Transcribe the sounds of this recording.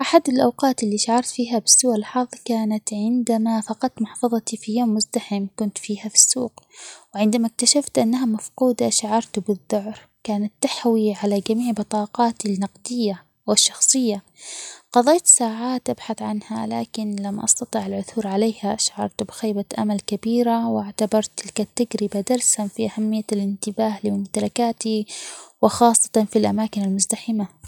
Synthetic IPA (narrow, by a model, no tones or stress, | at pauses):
ʔaħad̪ɪlʔawqɑːt̪ʔɪlːiʃaʕɑɾˤt̪fiːɦabɪ̥sːuːʔɪlħɑðˤkaːnat̪ʕɪnd̪amafɑqɑt̪mʊħfɑðˤt̪ifijoːmːʊzd̪aħɪmkʊnt̪fiːhafi̥sːṵːqwʕɪnd̪amak̚t̪aʃaft̪ʔanːaɦamafquːd̪aʃʕɑɾˤt̪bɪðːʊʕɾ | kaːnat̪ːaħwiʕalad͡ʒamiːʕbɨt̪ˤɑːqɑːt̪ɪlnːɑqd̪ɪjːa | wɪʃːɑxsˤɨjːa | qɑðˤeːt̪saːʕaːt̪ʔabħaθʕanha̰la̰ːkɪnlamːʔɑ̰st̪ɑt̪ˤiːʕɪlʕʊθuːɾʕaleːhaʃaʕɑ̰ɾˤt̪bɪxaːbaʔa̰malkabiːɾawaʕt̪abɑɾˤt̪ɪlkat̪ːaɡɾɪbad̪ɑɾˤshanfiʔahamːɪjːalɪnt̪ɪbaːhlɪʊmt̪alakaːt̪iwɪxɑːsˤːɑ̥t̪ɑnfilʔa̰maːkɪnalmʊzd̪aħɪma